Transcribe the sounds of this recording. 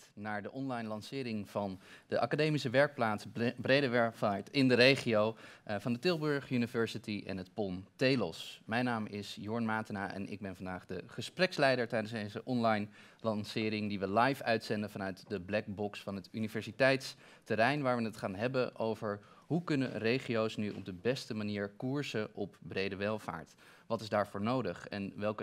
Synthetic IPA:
naːɹdəʔɔnlɑjnlɑnsɪːɾɪŋv̥ɑndəʔɑ̰kadejmisəʋɛɹk̚plaːtsbrejdəʋɛɹftɪndəɾejχiowvɑndətɪlˠbɵɹχynivɛɹsitiʔɛ̰nɦətpɔntejlɔ̰smɛjnaːmɪsjʊɹnmaːtənaːʔɛ̰nɪ̰ɡ̚bɛnvɑndaːχdəχəsprɛkslɛjdəɹtɛjdənszdejzəʔɔnlɑjn | lɑnsɪːɾɪŋdiʋəlɑjfœɥtsɛndəvɑnœɥtdəblɛk̚bɔksfɑnɦətynivɛɹsitɛjts | təɾɛjnʋaːɹʋənətχaːnɦɛbənʔo̰wvəɹ | ɦukɵnənrejχijowsnyɔ̰b̚dəbɛstəmaniːɹkuɹzəʔɔp̚brejdəʋɛlˠva̰ːɹt | ʋɑtɪzdaːɹvʊːɹnowdəχɛ̰nʋɛlˠkə

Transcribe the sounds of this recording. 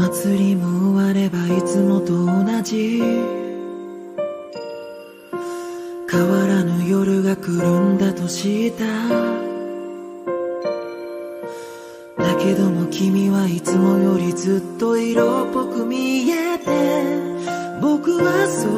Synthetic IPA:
at͡sɨɾʲimoɯβaɾe̞bait͡sɨmo̞t̪o̞ːnad͡ʑi | kʰaβaɾanojo̞ɾɯ̟ɡakɯ̟ɾɯ̟̃nd̪at̪o̞ɕit̪a | d̪ake̞d̪o̞mo̞kʲimʲiβait͡sɨmo̞jo̞ɾʲizɨt̪ːo̞iɾo̞ːpːo̞kɯ̟mʲie̞t̪e̞ | bo̞kɯ̟βaso

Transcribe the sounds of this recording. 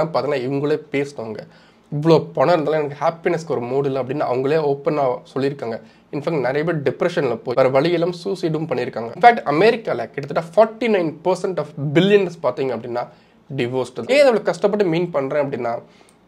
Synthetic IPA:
aːpaːɾt̪ːŋɡɐnaːɪʋɐŋɡɐɭeːpeːsɽaːŋɡɐ | ɪʋːɐɭoːpɔɳɐɾɯnd̪aːlãːɛnɐkːɯhaːpɪnɛskɔɾɯmoːɽɪlɐpːɐɽɪnːa̰ːɐʋɐŋɡɐɭeːoːpːɐnaːsɔlːɪɾɯkːaːŋɡɐ | ɪnfæːk̚ʈnɐɾɐjɐbɐɖɪpɾɛʂɐnɪlɐpoːʋɐɾɐʋɐɭɪjɛlaːmsuːsiɖʋɯmpɐɳːɪɾɯkːaːŋɡɐ̰nfaːk̚ʈɐmeːɾɪkːaːlɐkɪʈːɐt̪ːɯʈːaːfɔːɾʈːinɐɪnpɐɾsɛɳʈɔfbɪlɪjɐnspaːɾt̪iːŋɡɐpːɐɽɪnːaː | ɖɪʋoːsʈɐeːðɐʋɐɭɐkːɐʂʈɐp̬ːɐʈːɯmiːnpɐɳːɾẽːɐpːɐɽɪnːaː

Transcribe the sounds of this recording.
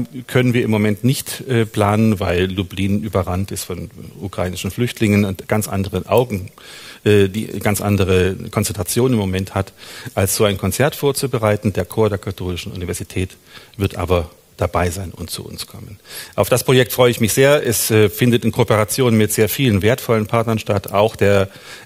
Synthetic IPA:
kʰœnənviːɐɪmːomɛntnɪçtɛːpl̥aːnənvaɪlːubliːnʔyːbɐʁantɪstfɔnʔṵkʁ̥aiːnɪʃn̩flʏçtʰlɪŋənʊntɡ̥ant͡sʔa̰ndəʁənʔa̰ʊɡŋ̩ | ʔɛːd̥ḭːɡ̥ant͡sʔa̰ndəʁ̞əkʰɔnt͡sɛntʁ̥at͡sjoːnɪmːomɛnthatʔalsz̥oːaɪnkʰɔnt͡sɛɐtfoːɐt͡subəʁaɪtn̩deːɐkʰoːɐdeːɐkʰatʰoːlɪʃn̩ʔṵnivɛɐz̥itʰɛːt | v̥ɪɐtʔa̰ːbɐ | d̥abaɪzaɪnʊ̰ntt͡sṵʊ̰nskʰɔmənʔaʊfd̥aspʁ̥ojɛk̚tfʁ̥ɔʏəɪçmɪçz̥eːɐʔɛsɛfɪndətɪnkʰopəʁat͡sjoːnmɪtz̥eːɐfiːlənveːɐtfɔlənpʰaɐtnɐnʃtataʊxd̥eːɐ

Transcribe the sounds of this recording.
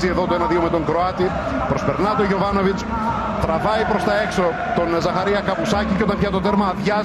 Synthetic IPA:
zie̞ðot̪oenɐðiomet̪o̞ŋɡɾoɐt̪i | pɾospeɾnɐt̪oʝo̞vɐno̞vit͡s | t̪ɾɐvɐipɾo̞st̪ɐe̞kso̞ | t̪onzɐxɐɾiɐkɐpusɐciceo̞t̪ɐ̃mpçɐt̪ot̪eɾmɐðʝɐ

